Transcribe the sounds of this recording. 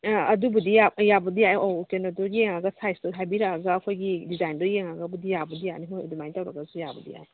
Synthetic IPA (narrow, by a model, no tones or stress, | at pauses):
ɐdubudijajabɐdiajɔkenɔdɔjeŋaɡɐsajsdɔɦajbiɾaaɡaːkʰojɡidizajndɔjeŋaɡabudijabudijanimojdumajntawɾaɡasujabɐdḭja̰j